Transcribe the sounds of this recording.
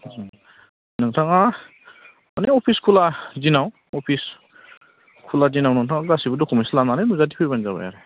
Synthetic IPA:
nɯŋtʰaŋa | maneɔpʰiskʰulazinaw | ɔpʰis | kʰulazinawnɯŋtʰaŋaɡasibudɔkʰumijslananɯnuzadipʰɯjbanzaba̰ja̰ɾe

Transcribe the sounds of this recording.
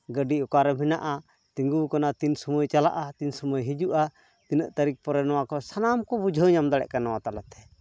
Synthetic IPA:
ɡəɖiɔkaɾɛm̤ina̰ʔa | t̪iŋɡukanat̪insuməjt͡ʃala̰ʔat̪insuməjɦid͡ʒuʔa | t̪inəʔt̪aɾik̚pɔɾɛnɔwakɔsanamkɔbud͡ʒʱəɲamd̪aɽɛ̰ʔkanawat̪alat̪ɛ̥

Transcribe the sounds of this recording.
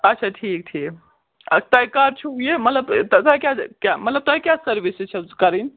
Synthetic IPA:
ətːt͡ʃʰaʈʰik̚ʈʰik | t̪əjkaɾt͡ʃʰuɦujemət̪ləbt̪t̪ajkjakjaməɐt̪ləb̚t̪ɔjkjasəɾbiset͡ʃʰkəɾin

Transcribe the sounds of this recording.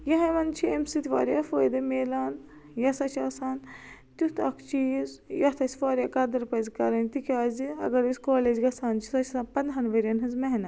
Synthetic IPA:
jɐɦɐmɐnt͡ʃʰiemsit̪ʲiʋa̰ːɾʲjafoːjd̪ɐmeːlaːn | jɐsɐt͡ʃʰaːsaːn | t̪ut̪ʰɐkʰt͡ʃiːzjɐt̪ʰɐsʲʋaːɾʲaːkɐd̪ɐɾpɐzkɐɾɐnt̪ikʰʲaːziɐ̰ɡɐɾiskoːleːd͡ʒɡɐsaːnt͡ʃʰi̥sɐt͡ʃʰsaːnpɐnd̪ʱɐnʋɐɾʲjɐnɦɨzmɐɦnɐ

